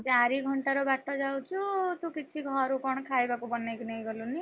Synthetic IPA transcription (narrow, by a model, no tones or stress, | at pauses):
t͡saɾiɡʱʌɳʈaɾʌbaʈʌd͡zawt͡sʰut̪okit͡sʰiɡʱʌɾukʌɽ̃kʰajbakobʌnːajkinajɡʌluni